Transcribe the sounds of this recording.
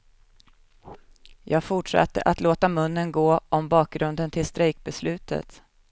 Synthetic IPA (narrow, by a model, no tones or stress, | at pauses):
jɑːɡfʊʈʂa̰t̪ːə̰ʔat̪loːt̪amɵnːənɡoːʔɔmbɑːk̚ɡɾɵnd̪ənt̪ʰɪlst̪ɾɛjk̚bɛslʉ̟ːt̪ə̰t̪